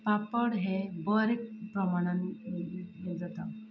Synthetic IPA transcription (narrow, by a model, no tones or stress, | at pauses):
papəɽɦebəɾek̚pɾəmaɽ̃aniɡeld͡zat̪a